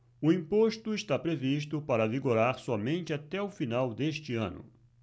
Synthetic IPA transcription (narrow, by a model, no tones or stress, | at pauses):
ʊĩmpoʃt̪ʊɪʃt̪apɾeviʃ̬t̪ʊpaɾɐviɡoɾaɾsɔmẽnt͡ʃɪat̪ɛʊfinawd̪eʃt͡ʃɪɐ̰̃nʊ̰